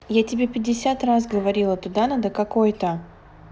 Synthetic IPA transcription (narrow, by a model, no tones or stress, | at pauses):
jatʲɪbʲepʲɪdʲɪsʲat̪rasɡəvɐɾʲilˠət̪ʊd̪anad̪əkɐkojt̪ə